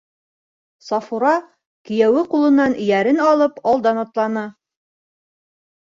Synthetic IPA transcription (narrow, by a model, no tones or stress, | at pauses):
sɑfuɾɑ | kɘ̆jæwɘqulˠɤ̆nːɑn̆jæɾɘnɑlˠɤpɑlˠd̪ɑnɑt̪lˠɑnɑ